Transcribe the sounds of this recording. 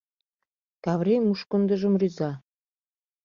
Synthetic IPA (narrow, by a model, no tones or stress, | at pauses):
kɑβremuʃkŏnd̪ə̆ʒə̆mryzɑ